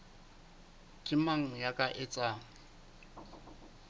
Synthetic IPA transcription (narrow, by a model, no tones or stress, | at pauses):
kʼɪmaŋ̩jakʼaʔɪt͡sʼa